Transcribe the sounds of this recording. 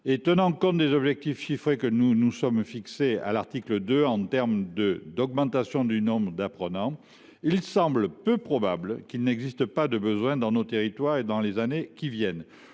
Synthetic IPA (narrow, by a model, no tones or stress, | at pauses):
et̪ənɑ̃kɔ̃t̪d̪ezɔbʒɛk̚t̪ifʃifχekənunusɔmfiksea̰laʁt̪ikləd̪øɑ̃t̪ɛʁmd̪əd̪ɔɡmɑ̃t̪asjɔ̃d̪ynɔ̃bʁəd̪apχənɑ̃ | ilsɑ̃bləpøpχɔbablkilnɛɡzist̪əpad̪əbəzwɛ̃d̪ɑ̃not̪eʁit̪waʁed̪ɑ̃lezanekʲivjɛn